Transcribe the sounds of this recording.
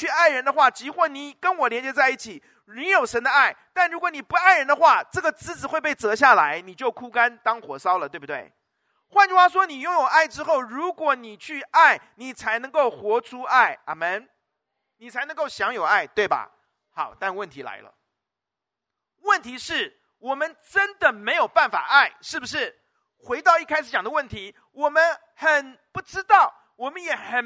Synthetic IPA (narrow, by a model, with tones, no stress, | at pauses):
t͡ɕʰy˥˧a˥˩ɪɻə˧˥nd̪ə˧xwa˥˩t͡ɕi˧˥xwɔ˥˩ni˨˩kə˦˥nwɔ˨˩ljɛ˧˥nt͡ɕjɛ˧˥t͡sa˥˧ɪi˥˩t͡ɕʰi˨˩ | ni˧˥jo˨˩ʊʂə˧˥nd̪ə˧a˥˩ɪt̪a˥˩nɻu˧˥kwɔ˧˥ni˨˩pu˧˥a˥˩ɪɻə˧˥nd̪ə˧xwa˥˧ʈ͡ʂɤ˥˩ɡə˩t͡sɹ̩˧˥t͡sɹ̩˨˩xwe˥˧ɪpe˥˩ɪt͡sɤ˧˥ɕja˥˩la˧˥ɪni˨˩t͡ɕjo˥˩ʊkʰu˥ka˥nt̪ɑ˥ŋxwɔ˨˩sɑ˥ʊlə˨t̪we˥˩ɪbu˨˩t̪wḛ˥˩ɪ | xwa˥˧nʈ͡ʂu˥xwa˥ʂwɔ˥ni˨˩jʊ˥˩ŋjo˨˩ʊa˥˩ɪʈ͡ʂɻ̩˥xo˥˩ʊɻu˧˥kwɔ˧˥ni˨˩t͡ɕʰy˥˩a˥˩ɪni˨˩t͡sʰa˧˥ɪnɤ˧˥ŋko˥˩ʊxwɔ˧˥ʈ͡ʂʰu˥ʔa˥˩ɪa̰˨˩mə˥˩n | ni˨˩t͡sʰa˧˥ɪnɤ˧˥ŋko˥˩ʊɕjɑ˧˥ŋjo˨˩ʊa˥˩ɪt̪we˥˩ɪbɐ̰˩ | xɑ˨˩˦ʊt̪a˥˧nwə˥˩nt̪ʰi˧˥la̰˧˥ɪlə̰˧ | wə˥˩nt̪ʰi˧˥ʂɻ̩˥˩ | wɔ˨˩mə˦nʈ͡ʂə˥nd̪ə˨me˧˥ɪjo˨˩ʊpa˥˩nfa̰˨˩ʔa˥˩ɪʂɻ̩˥˩bu˩ʂ̬ɻ̩˥˩ | xwe˧˥ɪt̪ɑ˥˧ʊi˥˧kʰa˥ɪʂɻ̩˧˥t͡ɕjɑ˨˩ŋd̪ə˦wə˥˩nt̪ʰi˧˥ | wɔ˨˩mə˦n | xə˨˩npu˥˩ʈ͡ʂɻ̩˥t̪ɑ˥˩ʊ | wɔ˨˩mə˦njɛ˨˩˦xə˨˩